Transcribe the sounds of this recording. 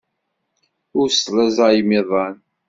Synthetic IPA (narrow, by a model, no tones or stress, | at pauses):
ʊɾslæzɑjmɪðˤɑn